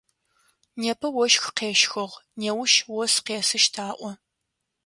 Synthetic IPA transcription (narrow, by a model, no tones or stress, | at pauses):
neːpʰɐwɔʃxqeːʃxɐʁneːwʊʃwɔsqeːsɨʃtʰaːʔʷɔ